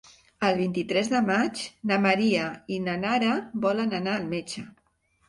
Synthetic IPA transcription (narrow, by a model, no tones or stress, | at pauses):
əlˠβ̞int̪it̪ɾɛzðəmat͡ʃnaməɾiəinanaɾəbɔlənənaːlˠmet͡ʃə